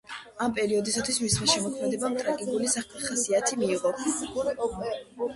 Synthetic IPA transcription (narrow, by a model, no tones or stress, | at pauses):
ampʼɛɾiɔd̪isat̪ʰwismisχmaʃɛmɔkʰmɛd̪ɛbamt̪ʼɾakʼikʼulisaχkʰaχasiat̪ʰimiːʁɔ